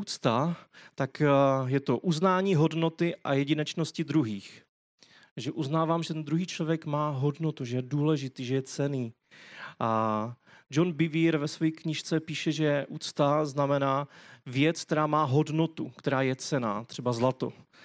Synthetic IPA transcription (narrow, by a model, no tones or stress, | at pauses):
uːt͡st̪at̪akjɛt̪o̞ʔuznaːɲiːɦo̞dno̞t̪ɪʔa̰jɛɟɪnɛt͡ʃno̞scɪd̪ɾuɦiːx | ʒɛʔuznaːvaːmʒɛt̪ɛnd̪ɾuɦiːt͡ʃlovjɛkmaːɦo̞dnot̪uʒɛjɛduːlɛʒɪt̪iːʒɛjɛt͡sɛniː | ʔa | d͡ʒo̞nbɪviːɾvɛsvojiːkɲɪʃt͡sɛpiːʃɛʒɛʔuːt͡st̪aznamɛnaːvjɛt͡sk̚t̪ɛɾaːmaːɦo̞dno̞t̪ukt̪ɛɾaːjɛt͡sɛna̰ːt̪r̝̥ɛbazlat̪o̞̰